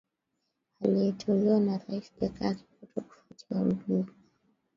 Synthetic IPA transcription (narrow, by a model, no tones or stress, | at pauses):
aliɛtʰɔliwanaɾaisɡɛkaɾikutɔku̥fatʰiam̩ɡi